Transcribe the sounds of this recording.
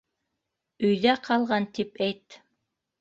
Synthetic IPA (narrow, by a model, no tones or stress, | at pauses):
ɵjðæqʰɑlˠʁɑnt̪ipɛjt̪